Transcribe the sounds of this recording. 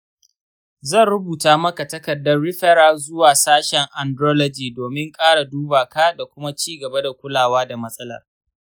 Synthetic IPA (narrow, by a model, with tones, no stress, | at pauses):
zɐ˦˨nɽʊ˦buː˨taː˦mɐ˦ka˨tɐ˦kɐ˨dːɐ˦rɽɪ˦ɸɛ˦ɾaː˨zʊ˦waː˨saː˦ʃɛ˨ŋʔa˨ndɾɔː˦lɔ˦d͡ʒiː˨doː˨mɪ˦ŋkʼaː˦ɽa˨duː˦baː˨ka˦da˨kʷʊ˦ma˦t͡ʃiː˦ɡɐ˨ba˦da˨kʷʊ˦laː˨waː˦da˨mɐ˦sʼɐ˦lɐ̰˨r